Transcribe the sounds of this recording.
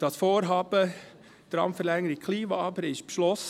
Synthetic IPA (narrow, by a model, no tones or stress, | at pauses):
d̥ɑsfoːɾɦɑːb̥ə | d̪̥ɾɑ̰mfəɾlɛŋəɾikkʰliːʋɑɑbəɾɪʃpʃlɔs